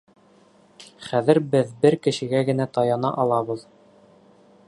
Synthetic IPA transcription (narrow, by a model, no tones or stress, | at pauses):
χæðɘ̆ɾbɘðbɘɾkɘ̆ʃɘ̆ɡæɡɘ̆næt̪ɑjɑnɑ̰ʔɑlˠɑβɤð